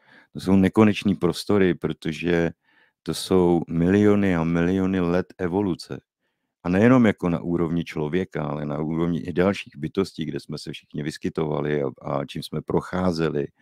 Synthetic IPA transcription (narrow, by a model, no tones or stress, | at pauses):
t̪o̞so̞wnɛko̞nɛt͡ʃniːpɾo̞st̪o̞ɾɪpɾo̞t̪o̞ʒɛ | t̪o̞so̞wmɪlɪo̞nɪamɪlɪjo̞nɪlɛt̪ɛvo̞lut͡sɛ̰ | ʔanɛjɛno̞mjako̞na̰ʔuːɾo̞vɲɪt͡ʃlo̞vjɛkaalɛna̰uːɾo̞vɲɪʔɪdalʃiːɣbɪt̪o̞sciːɡdɛsmɛsɛfʃɪ̥xɲɪvɪskɪt̪o̞va̰lɪa̰a̰t͡ʃiːmsmɛpɾo̞xaːzɛlɪ